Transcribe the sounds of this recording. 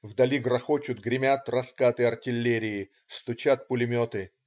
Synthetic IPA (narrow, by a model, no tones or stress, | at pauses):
vd̪ɐlʲiɡrɐxot͡ɕʊt̪ɡɾʲɪmʲat̪rɐskat̪ɨɐrtʲɪlʲːeɾʲɪː | st̪ʊt͡ɕat̪̚pʊlʲɪmʲot̪ɨ